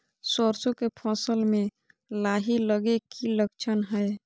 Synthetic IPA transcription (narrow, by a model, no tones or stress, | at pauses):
sɔɾsokepʰɔsəlmẽ | laːɦiləɡekiləkt͡ʃʰənɦɛj